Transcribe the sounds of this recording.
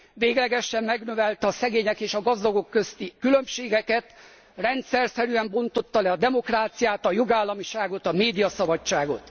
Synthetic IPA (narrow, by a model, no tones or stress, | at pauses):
ʋeːɡlɛɡɛʃːɛmːɛɡnøvɛlt̪ɛɒsɛɡeːɲɛkeːʃɒɡɒzd̪ɒɡo̞kːø̞st̪ikylø̞mʃeːɡɛkɛt̪ | rɛnt̪sɛrsɛɾyɛmbo̞nt̪o̞t̪ːɒlɛɒd̪ɛmo̞kraːt̪sijaːt̪ɒjoɡaːlːɒmiʃaːɡo̞t̪ɒmeːd̪ijɒsɒbɒt͡ʃt͡ʃːaːɡo̞t̪